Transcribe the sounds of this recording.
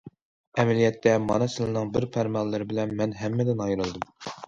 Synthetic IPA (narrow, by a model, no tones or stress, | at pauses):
ɛmɛlijɛt̪ʰːɛmɑ̰nɨsɨlɨnɨŋbɪɾpʰæɾmɑlːɪɾɪbɪlɛnmɛnɦɛmːɛd̪ɪnɑjɾɨlˠd̪ɨm